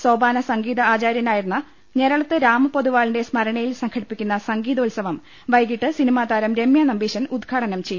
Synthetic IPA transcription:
so̞ːbaːnɐsɐŋɡiːðɐaːt͡ɕaːɾjɐnaːjiɾunːɐ | ɲe̞ɾɐɭɐt̪ːɨɾaːmɨpo̞ðuʋaːɭinde̞smɐɾɐɳɐjilsɐŋkʰɐɽipːikʲːunːɐsɐŋɡiːðɐolsɐʋɐm | ʋɐjɡiʈːɨsinimaːd̪aːɾɐmɾe̞mjɐnɐmbiːɕɐnud̪ɡʰʱaːɽɐnɐmt͡ɕej

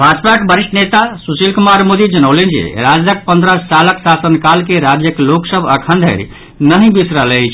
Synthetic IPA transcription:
bʱad͡ʒpakebəɾiʃʈʰnet̪asusilkumaɾmod̪id͡ʒənəwlend͡ʒḛɾad͡ʒd̪ək̚pənd̪ɾassaləksasənkalkeɾad͡ʒjəkloksəbəkʰə̃nd̪ʱə̰ɾ | nəɦĩbisɾəlɛt͡ʃʰ

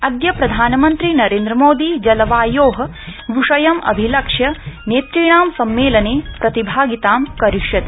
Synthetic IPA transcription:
ɐd̪jɐpɾɐd̪ʱaːnɐmɐnt̪ɾinɐɾeːnd̪ɾɐmoːd̪id͡ʒɐlɐʋaːjoːɦɐ̆ | ʋuʂɐjɐmɐ̰bʱilɐkʂjɐneːt̪ɾiːɳaːmsɐmːeːlɐneːpɾɐt̪ibʱaːɡit̪aːmkɐɾiʂjɐt̪ː

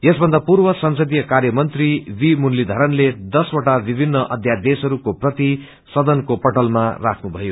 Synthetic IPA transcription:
jesbʱʌnd̪apurbʌsʌnsʌd̪ijʌkarjʌmʌnt̪ribimunlid̪ʱʌɾʌnled̪ʌswoʈabibʱinːʌʔʌd̪ʱjad̪esʌɾukoprʌt̪i | sʌd̪ʌnkopʌʈʌlmara̰kʰnubʱʌjo

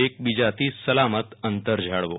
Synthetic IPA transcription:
ek̚bid͡ʑat̪iːsːəlamət̪ənt̪əɾd͡ʑʱaɽʋo̰

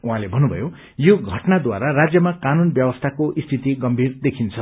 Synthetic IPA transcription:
ũɦãlebʱʌnubʱʌ̰jo | joɡʱʌʈnad̪waɾaɾad͡zjʌmakanunbjʌwʌst̪ʰakoʔist̪ʰit̪iɡʌmbʱird̪ekʰint͡sʰʌ

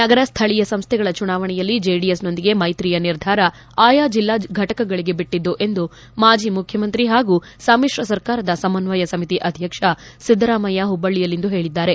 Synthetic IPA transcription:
nɐɡɐɾɐst̪ʰɐɭijɐsɐmst̪ʰɛɡɐɭɐt͡ʃunaːʋɐɳɛjɐlːid͡ʒeɖijesno̞nd̪iɡe̞mɐjt̪ɾijɐniɾd̪ʱaːɾɐ | aːjaːd͡ʒilːaːɡʱɐʈɐkɐɡɐɭiɡe̞biʈːid̪ːuʔe̞nd̪u | maːd͡ʒiːmukʰjɐmɐnt̪ɾiɦaːɡuː | saːmiʂɾɐsɐɾkaːɾɐd̪ɐsɐmɐnʋɐjɐsɐmit̪iʔɐd̪ʱjɐkʂɐ | sid̪ɾaːmɐjaɦubɐɭːijɐlːind̪uɦe̞ːɭid̪ːaːɾe̞

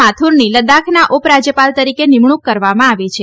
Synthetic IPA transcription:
at̪ʰuɾniləd̪akʰnaʔopɾad͡ʒjəpalt̪əɾikenimɳ̃ukːəɾʋamãaʋit͡ʃʰe

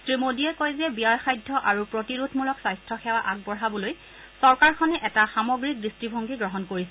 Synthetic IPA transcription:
sɹimodiɛkojzɛbijaɹxajdʱːɔʔaɹupɹotiɹutʰmulɔksajstɹɔxɛwaʔak̚bɔɹɦabɔloj | sɔɹkaɹkʰɔnɛʔɛtaxamɔɡɹik̚distibʱoŋɡiɡɹɔɦɔnkoɹisɛ

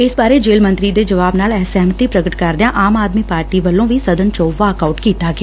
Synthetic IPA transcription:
ɪsbaːɾeːd͡ʒeːlmə̃nt̪ɾiːd̪eːd͡ʒəʋaːbnaːlɛːsɛːmət̪iːpɾəɡəʈkəɾd̪ejãːʔaːmaːd̪miːpaːɾʈiːʋəlːõːʋiːsəd̪ənt͡ʃɔːʋaːəkaːʊʈkiːt̪aːɡeaː

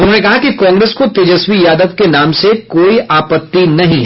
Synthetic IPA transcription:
ʊnɦõːnekɐɦakikɔ̃ːŋɡɾeːskot̪eːd͡ʒəswijaːd̪əʋkenaːmsekoːiaːpət̪ːinɐɦĩɦɛ

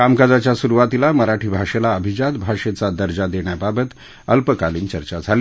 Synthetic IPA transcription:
kamkad͡zat͡ɕjasuɾuʋat̪ilaməɾaʈʰiːbʱaʂelaəbʱid͡ʑad̪bʱaʂet͡sad̪əɾd͡ʑad̪eɳ̃jababət̪ | əlpəkaliːnt͡ɕəɾt͡ɕad͡zʱali

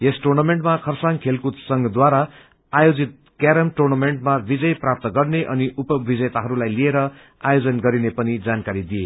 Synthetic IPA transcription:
jesʈurnameɳʈmakʰʌrsaŋkʰelkut̪sʌŋɡʌd̪waɾa | ajod͡zit̪̚ | kaɾʌmʈurnameɳʈmabid͡zʌjprap̚t̪ʌɡʌrneʔʌniʔupʌbid͡zet̪aɦʌɾulajlieɾʌ | ajod͡zʌnɡʌɾinepʌnid͡zankaɾid̪ije

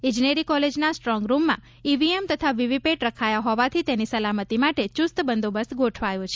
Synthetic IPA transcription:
ɪ̃d͡ʒneɾikɔled͡ʒnasʈɾɔ̃ŋɡɾumːã̰ | iʋiemt̪ət̪ʰaʋiʋipeʈɾəkʰajaɦɔʋat̪ʰit̪enisəlamət̪imaʈet͡ʃust̪bənd̪obəsɡoʈʰʋajũt͡ʃʰe

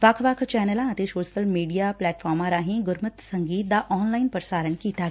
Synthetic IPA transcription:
ʋɐkʰʋɐkʰt͡ʃɛːnəlãət̪esoːʃəlmiːɖijaːplɛːʈfʰɔːɾmãːɾaɦĩɡʊɾmət̪səŋɡiːt̪̚d̪aːʔɔːnlaːɪnpəɾsaːɾəɳkiːt̪aː

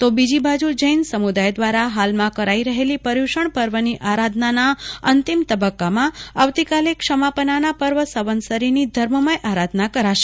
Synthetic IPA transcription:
t̪obid͡ʒibad͡ʒud͡ʒəjnsəmud̪ajd̪ʋaɾaɦalmãkəɾaiɾəɦelipəɾjuʃəɳpəɾʋəniʔaɾad̪ʱnanaənt̪imt̪əbəkːamãaʋt̪ikalekʃəmapənanapəɾʋəsəʋənsəɾinid̪ʱəɾməməjʔaɾad̪ʱnakəɾaʃe̥

